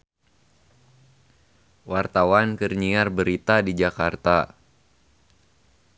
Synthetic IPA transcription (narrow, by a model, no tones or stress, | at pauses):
wart̪awankərɲiarbəɾit̪adid͡ʒakart̪a